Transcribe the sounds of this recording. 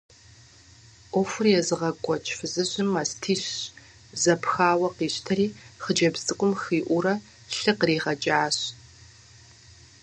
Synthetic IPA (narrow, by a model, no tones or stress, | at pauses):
ʔʷɔfʊrjɛzɨʁɐkʷʼɔt͡ʃʼfɨzɨɕʼɪmɐstʰiːɕ | zɐpʰxaːwɐqiːɕtʰɐɾiːχəd͡ʒɐbzʼɨkʷʼʊmxiːʔʷʊɾɐ | ɬɨqriːʁɐd͡ʒʼaːɕ